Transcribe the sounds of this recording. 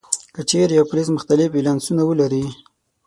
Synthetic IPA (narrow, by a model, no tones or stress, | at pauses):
kət͡ʃeɾjawpʊlismʊxt̪alɪfilɑnsunawəlaɾi